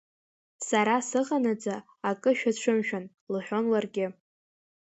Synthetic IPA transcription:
saɾasɨʁanad͡zaː | kʼɨʃᶣaʈ͡ʂʷʰɨmʃᶣan | lɨħʲʷᶣo̞nlarɡʲɪ

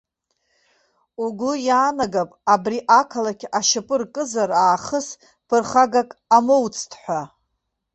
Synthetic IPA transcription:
uɡʷʊjaːnaɡapʼabriʔakʰalakʲʰaʃapʼɨrkʼɨzaraːχəs | pʰɨrχaɡakʼamowt͡sʰʼtʰħʷa

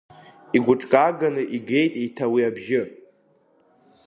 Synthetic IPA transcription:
iɡʷʊʈ͡ʂʼkʼaɡanɨʔiɡe̞jtʼejtʰawiabʒɪ

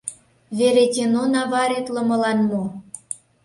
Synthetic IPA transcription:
βeɾet̪ʲenonɑβɑɾet̪lə̆mɤ̆lɑnmo

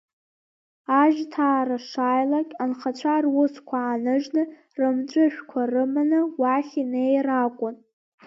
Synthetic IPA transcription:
aʒᶣtʰaːɾaʂajlakʲʼanχat͡ɕʷʰarwʊskʷʰaːnɨʒnɨ | rɨmʈ͡ʂʷʼʊʃᶣkʷʰarɨmanɨwaχʲinejrakʷʼʊn

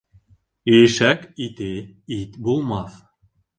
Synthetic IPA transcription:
ĭjɘʃækit̪ɘit̪bulˠmɑθ

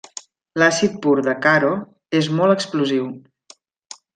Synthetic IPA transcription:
lasit̪̚puɾðəkaɾo | ezmɔlˠəkspluziw

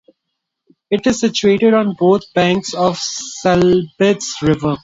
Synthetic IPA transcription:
ɪʈɪzsɪt͡ʃueːʈɪɖɔ̃ːnboːt̪ʰb̥æ̃ːŋksɔːʋsɛlbɪʈsɾɪʋə

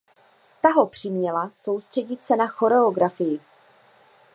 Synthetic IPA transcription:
t̪aɦo̞pr̝̥ɪmɲɛlaso̞wst̪r̥ɛɟɪt̪sɛnaxo̞ɾɛoɡɾafɪjɪ

